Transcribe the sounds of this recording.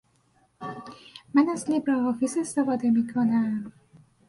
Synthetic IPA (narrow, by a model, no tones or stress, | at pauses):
mænæzlibɾɒɦɒːfizest̪efɒːd̪emiːkʰonæm